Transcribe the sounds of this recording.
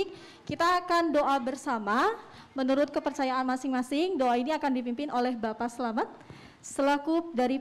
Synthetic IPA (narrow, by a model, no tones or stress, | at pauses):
k̚ | kit̪aːkandoʔabərsama | mənuɾʊt̪̚kəpərt͡ʃajaʔːnmasɪŋmasɪŋdoainiakandipimpɪnʔolɛhbapasəlamat̪̚ | səlakʊp̚daɾi